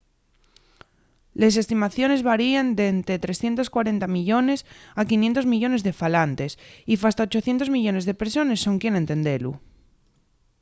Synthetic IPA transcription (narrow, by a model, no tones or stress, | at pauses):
le̞s̬e̞st̪imaθjo̞ne̞zβaɾiend̪ent̪ɾe̞t̪ɾe̞sθje̞nt̪o̞skwaɾe̞nt̪amiʎo̞ne̞sakinjent̪o̞zmiʝo̞ne̞zðe̞falant̪e̞sifast̪aot͡ʃo̞θje̞nt̪o̞zmiʎo̞ne̞zðe̞pso̞ne̞sːo̞ŋkjene̞nt̪e̞nd̪e̞lṵ